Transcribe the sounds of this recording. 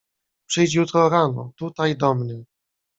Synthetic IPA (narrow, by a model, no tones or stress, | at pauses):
pʂɘjt͡ɕjut̪ɾɔɾanɔ̰t̪ut̪ajd̪ɔmɲɛ